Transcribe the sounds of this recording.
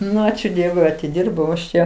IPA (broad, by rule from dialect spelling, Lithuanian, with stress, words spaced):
ˈnʊ ˈɑːt͡ʃʲʊ ˈdʲiɛʋʊɪ ɐtʲɪˈdʲiːrbɐʊ ɐʃ ˈt͡ʃʲɛ